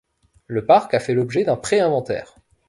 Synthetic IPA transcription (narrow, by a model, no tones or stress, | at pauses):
ləpaʁkafɛlɔbʒed̪ɛ̃pχeɛ̃vɑ̃t̪ɛ̰ːʁ